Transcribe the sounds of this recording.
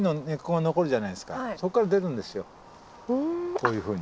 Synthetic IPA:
none̞kːoŋano̞ko̞ɾɯ̟ʑanaiesɨ̥ka̰so̞kːaɾad̪e̞ɾɯ̟̃nd̪e̞sɨjo̞ | koːjɯ̟ːɸɯ̟ːɲ̟

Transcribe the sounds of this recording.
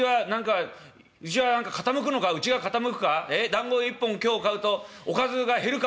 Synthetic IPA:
ianãŋka | ɯ̟t͡ɕiβanãŋkakat̪amɯ̟k̬ɯno̞kaɯ̟t͡ɕiɡakat̪amɯ̟kɯ̟̥kaed̪ãŋɡo̞ːipːõ̞ŋkʲo̞ːkaɯ̟t̪o̞okazɨɡahe̞ɾɯ̟k

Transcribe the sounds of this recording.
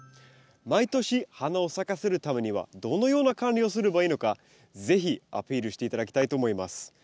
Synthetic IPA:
mait̪o̞ɕihanao̞sakaseɾɯ̟t̪ame̞ɲ̟iβa̰d̪o̞no̞jo̞ːnakãnʲio̞sɨɾɯ̟baiːno̞ka | ze̞çia̰pʲiːɾɯ̟ɕi̥t̪e̞it̪ad̪akʲi̥t̪ait̪o̞ːmo̞imasɨ̥

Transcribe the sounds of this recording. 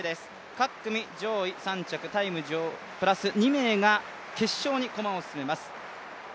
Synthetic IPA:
d̪e̞sɨ̥ | kakːɯ̟mʲid͡ʑo̞ːisãɲ̟t͡ɕakɯ̟t̪aimɯ̟d͡ʑoː | pɯ̟ɾasɨɲ̟ime̞ːɡa | ke̞ɕːo̞ːɲ̟iko̞mãosɨ̥sɨme̞masɨ̥

